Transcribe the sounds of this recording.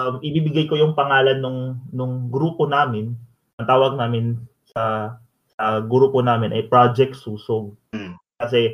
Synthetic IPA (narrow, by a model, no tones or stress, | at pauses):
mʔɪbiːbɪɡajkojʊŋpɐŋaːlɐnːʊŋnʊŋɡɾuːponaːmɪn | ʔɐŋt̪aːwɐɡ̚naːmɪn | sɐ | sɐɡɾuːponaːmɪnʔɐjpɹad͡ʒɛk̚t̪suːsoɡ̚ | kɐsɛ